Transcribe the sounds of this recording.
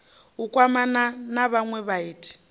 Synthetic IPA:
ukʼwamananaβaŋwɛβaiːtʰʼi̥

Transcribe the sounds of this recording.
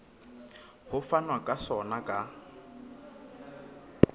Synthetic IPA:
hʊfanwakʼasɔnakʼa

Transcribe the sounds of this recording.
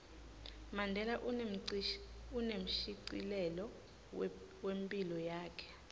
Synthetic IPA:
mandʱɛlaʔ̩ | unem̩ʃiǀḭlɛlɔ | wempʼilɔjaːkʰɛ̥

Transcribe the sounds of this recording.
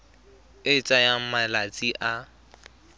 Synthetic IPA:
ɪt͡sʼajam̩malat͡sʼiʔa

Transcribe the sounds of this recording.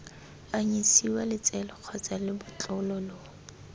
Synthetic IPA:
aɲisiwalɪt͡sʼɛlɔq͡χʰɔt͡salɪbʊt͡ɬʼʊlɔloː

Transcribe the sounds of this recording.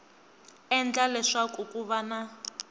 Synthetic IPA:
ɛnd͡ɮalɛʂakukʼuβana

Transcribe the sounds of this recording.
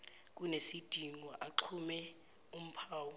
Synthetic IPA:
k̬ʼunesid̥ʱiŋwɔʔaǃʰumɛ | um̩pʰaːwɔ

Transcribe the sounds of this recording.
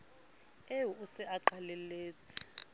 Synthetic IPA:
euusɛaǃalɛleːt͡sʰʼi̥

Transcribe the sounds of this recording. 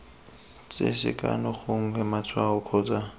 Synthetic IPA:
t͡sʼɪ̰sɪ̰kʼa̰nɔχoŋ̩hɛmat͡sʰʼwaʊkʰɔːt͡sʼa

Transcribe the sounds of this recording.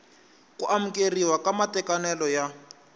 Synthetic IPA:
kuʔamukeriwakamatɛkanɛlɔja

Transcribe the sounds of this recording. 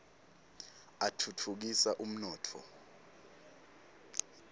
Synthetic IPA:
atʰutʰuk̬isaʔum̩nɔːtʰɔ̰

